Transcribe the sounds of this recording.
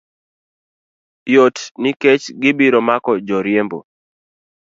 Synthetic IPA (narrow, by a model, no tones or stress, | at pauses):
jotnɪket͡ʃɡɪbiɾɔmakɔd͡ʒɔɾjembo̰